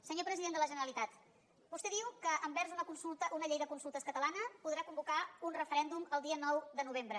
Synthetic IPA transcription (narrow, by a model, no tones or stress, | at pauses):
səɲopɾəziðend̪ələʒənəɾəlit̪at̪ | bust̪eðiwkəʔːmbɛɾzunəkunsulˠt̪əʔunəʎejðəkunsulˠt̪əskət̪əlanəpuðɾakumbukaunrəfəɾɛnd̪uməlˠd̪iənɔwðənuβ̞embɾə